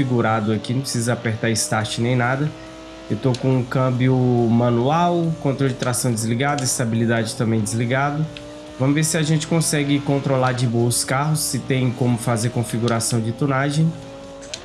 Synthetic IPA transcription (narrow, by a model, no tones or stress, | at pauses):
fiɡuɾad̪ʊakinɐ̃pɾɪsizɐapeɾt̪aɾɪst̪aɾt͡ʃɪnẽj̃nad̪ɐ | ewt̪okõũkɐ̃bjʊmɐ̃nuawkõnt̪ɾowd͡ʒɪt̪ɾasɐ̃w̃d͡ʒ̪ɪzliɡad̪ɐist̪abilid̪ad͡ʒɪt̪ɐ̃mbẽj̃d͡ʒ̪ɪzliɡad̪ʊ | vɐ̃mʊveɾsɪaʒẽt͡ʃɪ̥kõsɛɡɪkõnt̪ɾolaɾd͡ʒɪboʊskaɦʊsːɪt̪ẽj̃kõmʊfazeɾkõfiɡuɾasɐ̃w̃d͡ʒɪt̪onaʒẽj̃